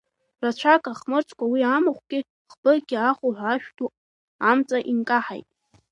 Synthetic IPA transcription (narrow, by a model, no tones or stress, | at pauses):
rat͡ʃʷʰakʼaχmɨrt͡sʰʼkʷʰawiamɨχʷɡʲɪ | χbɨrɡʲiaχʷuħʷaʃᶣtʰʼu | amt͡sʼaʔinkʼaħa̰jtʼ